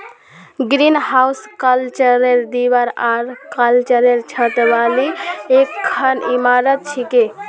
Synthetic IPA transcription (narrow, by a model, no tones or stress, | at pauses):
ɡɾinɦawskəlt͡ʃəɾeɾd̪ibəɾaɾkəlt͡ʃəɾeɾt͡ʃʰət̪ʋaliekʰːənimaɾət̪̚t͡ʃʰike